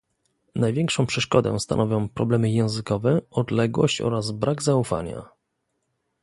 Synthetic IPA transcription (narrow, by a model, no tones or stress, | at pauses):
najvʲjɛŋkʂɔ̃w̃pʂɛʂkɔd̪ɛ̰̃st̪a̰nɔvʲɔ̃w̃pɾɔblɛmɘjɛ̃w̃zɘkɔvɛɔd̪lɛɡwɔ̰ɕt͡ɕɔ̰ɾazbɾaɡzaufa̰ɲa̰